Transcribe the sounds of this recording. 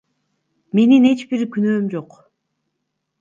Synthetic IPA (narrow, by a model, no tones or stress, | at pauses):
me̞nine̞t͡ʃbiɾkynøːmd͡ʒoq